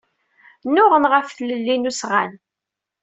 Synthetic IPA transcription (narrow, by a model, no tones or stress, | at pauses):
nːʊʁənʁəfθləlːinusʁan